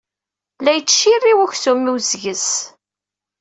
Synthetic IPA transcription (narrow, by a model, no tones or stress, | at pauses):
læjt͡sːʃːirːiwæçsumːiwzʝəs